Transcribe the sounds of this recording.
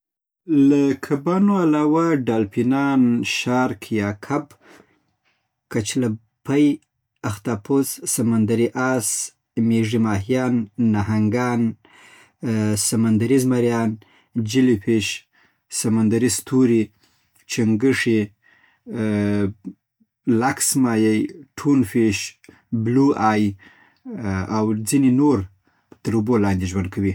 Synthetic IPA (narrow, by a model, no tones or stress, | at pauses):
lakʰabɑnoalɑwaɖɑlpinɑnʃɑɾkʰjɑkʰab | kat͡ʃla | pʰaj | axt̪ɑpʰossamand̪aɾiʔɑs | meʐimɑɦijɑnːaɦaŋɡɑn | samand̪aɾizmaɾjɑn | d͡ʒilipeʃ | samand̪aɾist̪ʰuɾi | t͡ʃaŋɡəʂe | laksmɑjajʈʰunfeʃ | bluɑj | awd͡zinenoɾ | t̪əɾubolɑnd̪eʒwand̪̚kʰawi